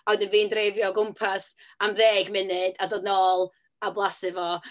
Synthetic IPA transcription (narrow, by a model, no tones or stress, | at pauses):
awdənviːndrevjɔɡʊmpʰas | amðeːɡmɪnɨdadɔːdnoːlˠ | ablˠasɨvɔ